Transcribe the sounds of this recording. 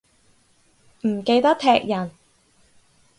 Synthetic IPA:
m̩˨˩ke˧jt̪ɐ˥k̚t̪ʰɛː˧k̚jɐ˨˩n

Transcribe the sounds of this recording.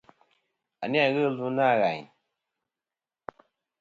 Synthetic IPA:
a̰˨ni˦a˦˨ɣə˦lu˦na˦˨ɣa˨ɲ

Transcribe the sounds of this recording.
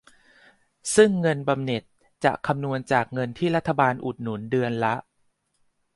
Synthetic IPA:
sɯ˥˩ŋːɤ˧nba˧mne˨˩t̪̚ | t͡ɕa̰˨˩ʔkʰa˧mnu˧ənt͡ɕaː˨˩k̚ŋɤ˧nt̪ʰiː˥˩ɾa˦˥t̪ʰːa˧baː˧nʔu˨˩t̪̚nu˩˦ndɯ˧ənla˦˥ʔ

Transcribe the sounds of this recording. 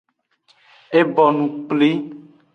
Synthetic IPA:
e˦bɔ˨nũ˨k͡pli˦

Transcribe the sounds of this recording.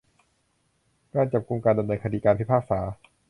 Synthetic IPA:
kaː˧˩nt͡ɕa˨˩p̚ku˧ŋkaː˧nda˧mnɤː˧nkʰa˧diː˧kaː˧npʰi˦˥˩pʰaː˥˩k̚saː˩˦

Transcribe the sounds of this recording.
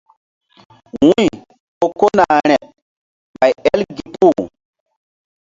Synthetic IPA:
wũ˦j | ɓo˨ko˦na˨ɾ̃ɛ˨ | ɓa˨jɛ˦lɡi˨pu˦˨

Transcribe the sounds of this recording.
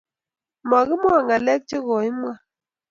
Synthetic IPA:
ma˨ɣi˦m˦a˨ŋa˨lɛ˦k̚t͡ʃe˦ɣɔ˨i˦m˦a˦

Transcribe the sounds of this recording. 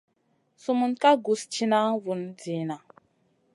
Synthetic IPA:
su˦mu˨nka˦ɡu˨˦st͡ʃi˦na˦vu˨nd͡zi˨na˨

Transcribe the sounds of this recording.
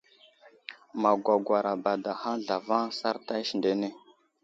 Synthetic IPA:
ma˨ɡʷa˨ɡʷwa˨ɾa˨ba˨da˨ha˦ɮa˨va˦ŋsa˦ɾta˦ʃnde˨ne˦

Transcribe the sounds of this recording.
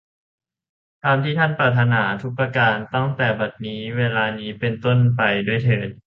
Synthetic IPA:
t̪ʰaː˧mt̪ʰiː˥˩t̪ʰa˥˩npɾaː˨˧˩t̪ʰːa˧naː˩˦t̪ʰu˦˥k̚pːɾaː˧kaː˧nt̪ɔ˥˩ŋt̪ɛː˨˩ba˨˩t̪̚niː˦˥weː˧laː˧niː˦˥pe˧nt̪o˥˩npa˧jdu˥˩əjt̪ʰɤː˨˩n̚

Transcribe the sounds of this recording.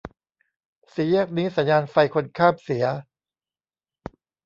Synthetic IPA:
si˩˦ja˥˩k̚niː˦˥sa˨˩˦njaː˧nfa˧jkʰo˧nkʰaː˥˩p̚si˩˦ɐ

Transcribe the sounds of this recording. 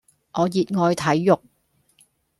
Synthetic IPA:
ʔɔː˨˧jiː˨t̚ŋɔː˨˧jt̪ʰɐ˨˥jːʊ˨k̚

